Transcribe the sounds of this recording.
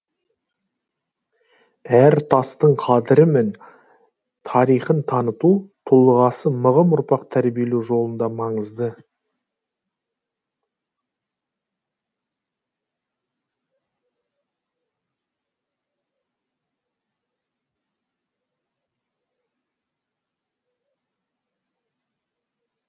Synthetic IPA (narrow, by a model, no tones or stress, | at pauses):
æɾt̪ʰɑst̪əɴqʰɑd̪əɾɪme̞n | t̪ʰɑɾijχənt̪ʰɑnət̪ut̪ʰulˠəʁɑsəməʁəmʊɾpɑqt̪ʰæɾbije̞lewʒo̞lˠənd̪ɑmɑɴəzd̪ə